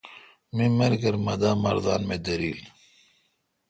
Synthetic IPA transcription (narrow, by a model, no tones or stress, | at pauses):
mimɐɾɡəɾmɐd̪amɐ̰ɾd̪a̰ːnmed̪ɐɾiːl